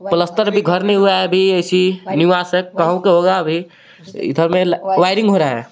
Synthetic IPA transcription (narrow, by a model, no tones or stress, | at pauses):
pələst̪əɾbʱiɡʱəɾnɛ̃ɦuaɦɛbʱieɪsiniʋasəkːəɦũkeɦoɡabʱi | ɪ̰d̪ʱəɾmelʋaɪɾĩŋɡɦoɾaɦɛ̰